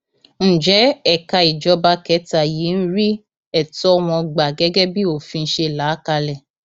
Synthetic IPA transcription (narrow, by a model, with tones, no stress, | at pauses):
ñ̩˨d͡ʒɛ˨˦ɛ˨ka˧i˨d͡ʒɔ˧ba˧kɛ˨˦ta˨ji˨˦n̩˦ɾi˦ | ɛ˦˨tɔ˦˧m̃ɔ̃˧ɡ͡ba˨ɡɛ˦ɡɛ˦bi˦o˦˨fĩ˧n̩˦ʃe˧˨la˨˦ka˧lɛ˨